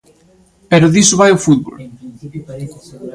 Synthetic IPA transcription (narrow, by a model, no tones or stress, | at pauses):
pɛɾoðisʊβajofut̪̚βo̰l